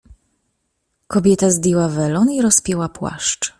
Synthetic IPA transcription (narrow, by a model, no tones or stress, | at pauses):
kɔbʲjɛt̪azb̪ʲiwavɛlɔniɾɔspʲjɛwapwa̰ʂt͡ʂ